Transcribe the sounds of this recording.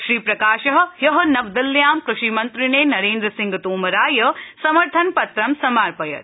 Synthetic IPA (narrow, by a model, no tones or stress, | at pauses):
ʃɾiːpɾɐkaːʃɐɦɐ̆jɐɦɐnɐʋd̪ɐljaːmkɾuʃimɐnt̪ɾineːnɐɾeːnd̪ɾɐsiŋɡɐt̪oːmɐɾaːjɐsɐmɐɾt̪ʰɐnpɐt̪ɾɐmsɐmaːɾpɐjɐ̰t̪